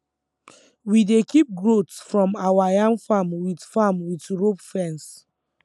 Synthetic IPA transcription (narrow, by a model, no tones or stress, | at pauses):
widekip̚ɡɹotsfɹɔ̃mawajãŋɡfamwidfamwitɹopfɛ̃ns